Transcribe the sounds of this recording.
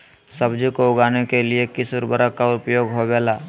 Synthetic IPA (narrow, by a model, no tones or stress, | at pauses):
sɐbd͡ʒikoʊɡaːnekeliekɪsʊɾbəɾəkaʊpjoːɡɦobɛːlaː